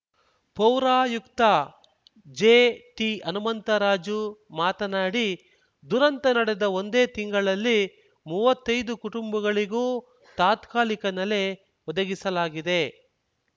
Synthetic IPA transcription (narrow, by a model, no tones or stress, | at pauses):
pɐwɾaːjukt̪ɐ | d͡ʒeːʈiʔɐnumɐnt̪ɐɾaːd͡ʒumaːt̪ɐnaːɽi | d̪uɾɐnt̪ɐnɐɽed̪ɐond̪e̞ːt̪iŋɡɐɭɐlːi | muːʋɐt̪ːɐjd̪ukuʈumbɐɡɐɭiɡuː | t̪aːt̪kaːlikɐnɐle̞ | ɔd̪ɐɡisɐlaːɡid̪e̞